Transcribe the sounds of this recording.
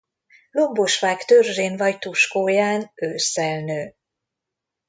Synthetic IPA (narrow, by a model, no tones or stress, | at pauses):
lomboʃʋaːkt̪ørʒeːnvɒjt̪uʃkoːjaːnøːsɛlnøː